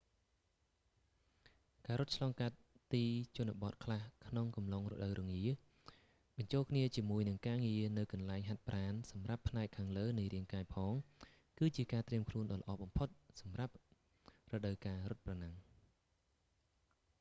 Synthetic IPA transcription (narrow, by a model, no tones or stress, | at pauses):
kaːɾut̪̚t͡ɕʰlɑːŋkat̪̚ːiːt͡ɕŭənaɓɑt̪̚kʰlahkʰnoŋkɑmlɑŋrɔ̰ɗəwɾɔŋiə | ɓɑɲt͡ɕoːlkʰniət͡ɕiəmuəjnɨŋkaːŋiənɨwkɑnlaɛŋɦat̪̚prʔaːnsɑmrapʰːnaɛkʰːaːŋləːnɨjɾiəŋkaːɛjpʰɑːŋ | kɨːt͡ɕiəkaːt̪riəmkʰluənɗɑːlə̆ʔɑːɓɑmpʰot̪̚sɑmrap̚ | rɔɗəwkaːɾʊ̆t̪̚pranaŋ